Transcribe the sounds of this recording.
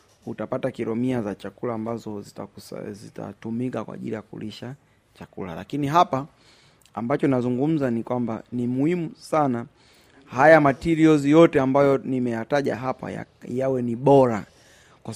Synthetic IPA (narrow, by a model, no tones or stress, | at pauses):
utapatakiɾɔmiazat͡ʃakulaːmbazɔ̰ | zita̰tumikakwa̰ʄḭlijakṵliʃa | t͡ʃakṵla̰la̰kiniɦapaː | mbat͡ʃɔnazuŋɡum̩zanikwamba̰nimuhimusana | hajamatiɾiɔzijɔtɛambajɔnimɛjataʄa̰ɦapa̰ | jawɛniɓɔɾa | kwa